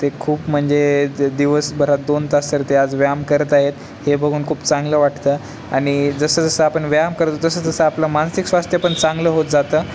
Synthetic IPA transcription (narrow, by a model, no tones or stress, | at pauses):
t̪ekʰuːpm̤əɳd͡zed̪iʋəsbəɾ̤at̪̚d̪ont̪asəɾt̪ead͡zʋjamkəɾət̪aɦet̪ | hebəɡʱuːnkʰuːpt͡sãŋɡləːʋaʈt̪əː | aɽ̃id͡zəsəːd͡zəsəapəɳʋjamkəɾt̪ot̪əsəːd͡zəsəːapləmansiksʋast̪ʰjapəɳt͡sãŋɡləɦot̪̚d͡zat̪əː